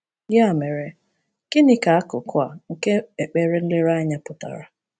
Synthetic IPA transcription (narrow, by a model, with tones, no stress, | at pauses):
ja˦˨me˨ɾe˨ | kɪ˦ni˦ka˨a˦kʊ˨kʊ˦a˨ŋ̩˨ke˦e˨k͡pe˨ɾe˦n̩˦le˦ɾa˦ɲa˦pʊ˨ta̰˨ɾa˨